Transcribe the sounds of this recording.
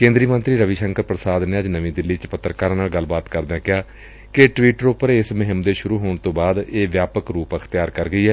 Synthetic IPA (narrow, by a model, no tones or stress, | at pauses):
kẽːnd̪ɾiːmənt̪ɾiːɾəʋiːʃəŋkəɾpɾəsaːd̪neːəd͡ʒnəʋĩːd̪ɪlːiːt͡ʃpət̪ːɾkaːɾãːnaːlɡəlːbaːt̪kəɾd̪ãːkɪjaː | keʈʋiːʈəɾoːpəɾeɪsmɪɦɪmd̪eːʃʊɾuːɦoːɳt̪õːbaːd̪eːʋjaːpəkɾuːpəkʰt̪ɪjaːɾkəɾɡəiːɛː